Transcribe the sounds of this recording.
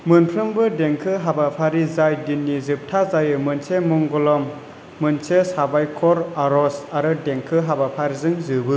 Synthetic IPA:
mɯnpʰɾɯmbɯdeŋkʰɯɦabapʰaɾizajdinːizɯp̚tʰazajɯmɯnsemɔŋɡɔlɔmː | ɯnsesabajkʰɔɾaɾɔsaɾɯdeŋkʰɯɦabapʰaɾizɯŋzɯbɯ

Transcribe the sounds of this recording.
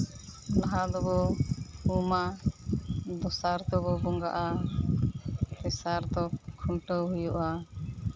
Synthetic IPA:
laɦad̪ɔbɔ | uma | d̪ɔsaɾd̪ɔbɔbɔŋɡa̰ʔa | t̪ɛsaɾt̪ɔkʰumʈəwɦujuʔa

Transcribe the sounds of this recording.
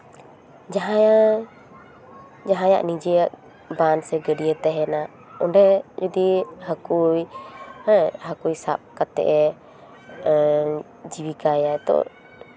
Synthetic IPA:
d͡ʒaɦaja | d͡ʒaɦãja̰ʔnid͡ʒɛjaʔ | bansɛɡəɖijət̪ɛɦɛna | ɔnɖɛd͡ʒɔd̪ihakuj | hakujsa̰p̚kat̪ɛ̰ʔɛ | d͡ʒiwikajaɛt̪ɔ̰

